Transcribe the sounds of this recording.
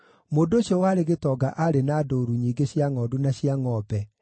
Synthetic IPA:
moːndoɕjɔwaɾeɣetɔɡaʔaɾenaːdoɾuɲiːŋɡeɕjaŋɔːdunaɕiaŋɔbɛ

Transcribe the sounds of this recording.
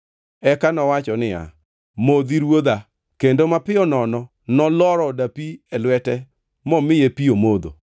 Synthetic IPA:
ɛkanɔwat͡ʃɔnɪa̰ | mod̪iɾwod̪a | kendomapɪɔnɔnɔ | nɔlɔɾɔdapiɛlwɛtɛ | mɔmɪjepiomod̪o̰

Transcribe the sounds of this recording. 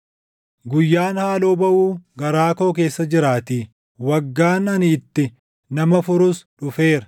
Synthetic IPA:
ɡʊjːaːnhaːloːbɐʔuːɡɐɾaːko̞ːk̬e̞ːsːɐd͡ʒɪɾaːt̪iː | wɐɡːaːnɐnːt̪ːɪ | nɐmɐfʊɾʊsᶑʊfe̞ːɾɐ

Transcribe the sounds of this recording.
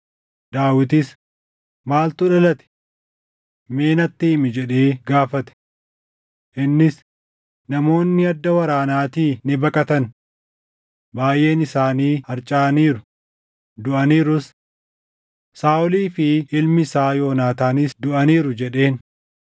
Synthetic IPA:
d̪aːwɪt̪̬ɪs | maːlt̪ʊᶑɐlɐt̪ɛ̥ | me̞ːnɐt̪ːɪːmɪd͡ʒɛᶑe̞ːɡaːfɐt̪ɛ̥ | ʔɪnːɪs | nɐmo̞ːnːɪɐd̪ːɐwɐɾaːnaːt̪iːnɪbɐkʼɐt̪ɐn | baːjʔe̞ːnɪsaːniːhɐɾt͡ʃʼaːniːɾʊ | d̪ʊʔɐniːɾʊs | saːʔʊliːfɪʔɪlmɪsaːjo̞ːnaːt̪aːnɪsd̪ʊʔɐniːɾʊd͡ʒɛᶑe̞ːn

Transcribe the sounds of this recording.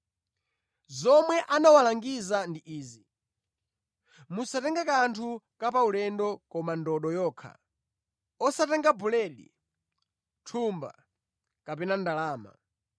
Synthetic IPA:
zɔmwɛʔanawalaŋɡizandiʔiːzi | musatɛŋɡakantʰukapaulɛndɔkɔmandɔɗɔjɔːkʰa̰ | ɔsatɛŋɡabulɛɗḭ | tʰumba̰ | kapɛnandalaːma̰

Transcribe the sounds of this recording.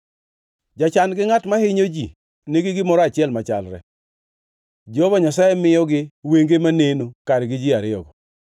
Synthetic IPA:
d͡ʒat͡ʃanɡɪŋatmahɪɲod͡ʒi | neɡɪɡɪmɔɾɔat͡ʃɪɛlmat͡ʃa̰lɾɛ̰ | d͡ʒobaɲasajɛmɪjɔɡɪweŋɡemanenokaɾɡɪd͡ʒɪaɾɪɔ̰ɡɔ

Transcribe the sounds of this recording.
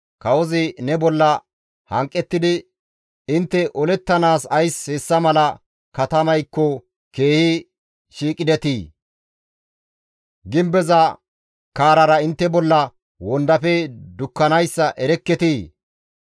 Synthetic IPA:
kɐwɔzɪnɛbɔlːɐ | hɐŋkʼːɛt̪ːɪd̪ɪ | ɪnt̪ːɛʔɔlɛt̪ːɐnaːsɐjshesːɐmɐlɐ | kɐt̪ɐmɐjkːɔ | ke̞ːhɪ | ʃiːkʼɪd̪ɛt̪iː | ɡɪmbɛzɐ | kaːɾɐɾɐɪnt̪ːɛbɔlːɐ | wɔnd̪ɐfɛd̪ʊkːɐnɐjsːɐʔɛɾɛkːɛt̪i

